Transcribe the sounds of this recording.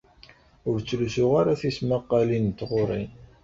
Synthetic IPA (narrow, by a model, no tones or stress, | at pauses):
ʊɾt͡sːlusʊʁaɾaθismaqːɑlint̪ːʁoɾˤin